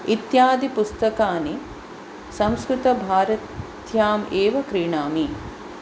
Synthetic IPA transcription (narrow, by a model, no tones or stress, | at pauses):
it̪jaːd̪ipust̪ɐkaːni | sɐ̃mskɾut̪ɐbʱaːɾɐt̪ | jaːmeːʋɐkɾiːɳaːmi